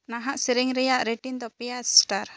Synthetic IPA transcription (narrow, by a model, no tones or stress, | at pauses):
naɦaʔsiɾɛŋɾɛjaʔɾɛʈind̪ɔpijassʈaɾ